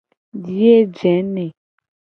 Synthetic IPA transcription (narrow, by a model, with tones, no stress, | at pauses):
di˦e˦d͡ʒɛ˨˦nɛ̃˨